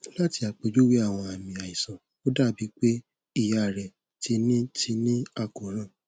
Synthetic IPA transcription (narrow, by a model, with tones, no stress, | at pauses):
la˦ti˧a˨k͡pe˨˦d͡ʒu˦wi˦a˦˨w̃ɔ̃˧a˨mĩ˧a˨i˨sã˨ | o˦da˦˨bi˨˦k͡pe˦ | i˦˨ja˧˨ɾɛ˨ | ti˧nĩ˦tʰi˧nĩ˦a˦˨ko˨˦ɾ̃ã˦˨